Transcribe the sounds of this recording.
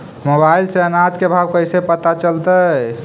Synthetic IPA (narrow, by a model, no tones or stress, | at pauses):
mobailseənad͡ʒkebʱabkəjsepət̪at͡ʃəlt̪ə